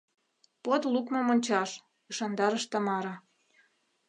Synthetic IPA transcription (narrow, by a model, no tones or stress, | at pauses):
pot̪lukmŏmonʲt͡ɕɑʃ | ɯʃɑnd̪ɑɾəʃt̪ɑmɑɾɑ